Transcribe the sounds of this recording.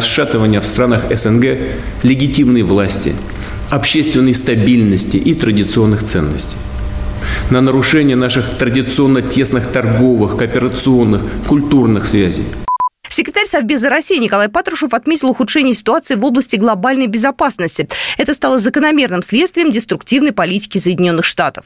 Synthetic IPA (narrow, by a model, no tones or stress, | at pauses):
sʂat̪əvənʲɪjəfst̪ɾanəxɛsɛnɡɛ | lʲɪɡʲɪtʲimnəjvlˠasʲtʲɪ̰ | ɐpɕːest̪vʲɪnːəjst̪ɐbʲilʲnəsʲtʲɪʔit̪ɾədʲɪt̪sɨo̞nːɨxt̪sɛnːə̰sʲtʲɪj | nənəɾʊʂɛnʲɪjənaʂɨxt̪ɾədʲɪt̪sɨo̞nːətʲe̞snɨxt̪ɐrɡo̞vɨxkəpʲɪɾət̪sɨo̞nːɨxkʊlʲt̪urnɨxsvʲæzʲɪ̰j | sʲɪkɾʲt̪aɾʲsɐvbʲezəɾɐsʲijnʲɪkɐlˠajpat̪ɾʊʂəfɐt̪mʲetʲɪlˠʊxʊtʂɛnʲɪjəsʲɪ̥t̪ʊat̪sɨɪvo̞blˠəsʲtʲɪɡlˠɐbalʲnəjbʲɪzɐpasnəsʲtʲɪɛt̪əst̪alˠəzəkənɐmʲe̞rnɨmsʲlʲet̪st̪vʲɪjəmdʲɪst̪ɾʊktʲivnəjpɐlʲitʲɪ̥kʲɪsəjɪdʲɪnʲo̞nːɨxʂt̪at̪ə̥f